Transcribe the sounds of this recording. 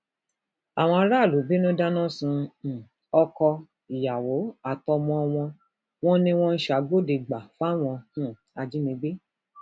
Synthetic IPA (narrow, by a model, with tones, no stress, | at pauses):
a˨w̃ɔ̃˧a˧˦ɾa˦˨lu˨˦be˦nũ˦da˦nɔ̃˦sũ˧˨ | ɔ˧kɔ˧ | i˨ja˨wo˨˦a˨tɔ˧mɔ̃˧w̃ɔ̃˧ | w̃ɔ̃˦nĩ˧w̃ɔ̃˦n̩˦ʃa˨ɡo˦de˨˧ɡ͡ba˨fa˦˨w̃ɔ̃˧hũ˦˨ | a˧d͡ʒi˨˦nĩ˧ɡ͡be˦